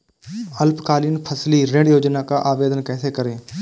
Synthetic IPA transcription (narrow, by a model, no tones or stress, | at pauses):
əlpkaːliːnpʰəsliɾẽɖjoːd͡ʒnakaʔaːʋeːd̪ənkɛːsekəɾẽː